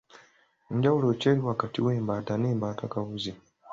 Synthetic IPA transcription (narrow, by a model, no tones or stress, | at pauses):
ɲɟawuloceːɾiwakatiweːmbaːtaneːmbaːtakaβuzi